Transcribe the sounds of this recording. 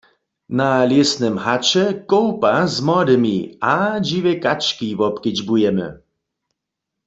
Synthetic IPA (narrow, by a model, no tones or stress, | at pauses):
naljɛsnɛmhat͡ʃɛkɔwpazmɔd̪ɪmiad͡ʒiʋɛkat͡ʃkivɔpkɪd͡ʒbujɛmɛ̰